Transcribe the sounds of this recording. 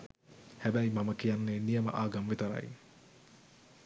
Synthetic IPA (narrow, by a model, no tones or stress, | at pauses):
hæbæjmaməkijanːeːnijəmə̰ʔaːɡamʋet̪əɾa̰j